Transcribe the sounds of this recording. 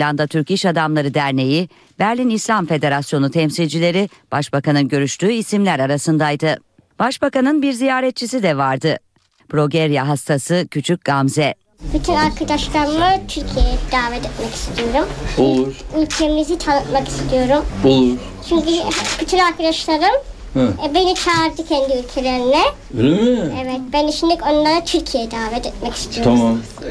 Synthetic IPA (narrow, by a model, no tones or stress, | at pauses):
land̪at̪ʰyɾciʃad̪amlˠaɾɯd̪æɾne̞ji | bæɾlʲinislʲamfe̞d̪e̞ɾasjo̞nut̪ʰɛmsilʲd͡ʒilʲe̞ɾib̥aʃbakanɯnɟø̞ɾyʃt̪ʰyːisimlʲæɾaɾasɯnd̪ajd̪ɯ | b̥aʃbakanɯnbiɾzijaːɾɛt̪̚t͡ʃʰisid̪ɛvaɾd̪ɯ | bɾo̞ɟɛɾjaɦast̪ʰasɯcʰyt͡ʃʰyc̚ɡamzɛ | b̥yt̪ʰynaɾkʰad̪aʃlˠaɾlˠat̪ʰyɾcʰijejɛd̪aːvɛt̪ɛt̪mɛci̥st̪ʰijo̞ɾum | ylʲcʰemizit̪ʰanɯt̪maki̥st̪ʰijo̞ɾumu | t͡ʃʰyɲcyb̥yt̪ʰynaɾkʰad̪aʃlˠaɾɯm | be̞nit͡ʃʰaːɾd̪ɯcʰɛnd̪iylʲcʰe̞lʲeɾinɛ | ɛvɛt̪̚bɛniʃind̪ʲico̞nlˠaɾat̪ʰyɾcʰijejɛd̪aːvɛt̪ɛt̪̚mɛci̥st̪ʰijoɾm